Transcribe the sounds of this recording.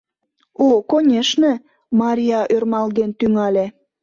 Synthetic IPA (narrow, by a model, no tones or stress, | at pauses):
okonʲeʃnĕ | mɑɾʲiɑʔørmɑld̪ent̪yŋɑlʲe